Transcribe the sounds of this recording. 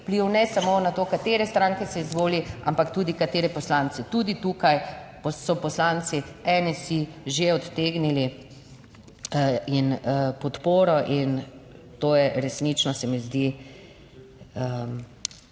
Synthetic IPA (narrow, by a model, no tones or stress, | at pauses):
pliwnɛsamonat̪oːkat̪eːɾɛst̪ɾãŋkɛsɛizʋoːlia̰mpakt̪ud̪ikat̪eːɾɛpɔslaːnt̪t͡s̪ɛt̪ud̪it̪uːkajpɔsɔpɔslant̪siɛnɛsiʒeɔt̪t̪eːɡnili | inəpɔt̪poːɾɔʔint̪oːjɛɾɛsnit͡ʃnɔsɛmizd̪i | ə